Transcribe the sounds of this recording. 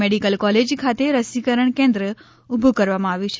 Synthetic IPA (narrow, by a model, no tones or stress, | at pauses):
meɽikəlkɔled͡ʒkʰat̪eɾəsikəɾəɳkɛ̃nd̪ɾə | ubʱukəɾʋamãaʋjũt͡ʃʰ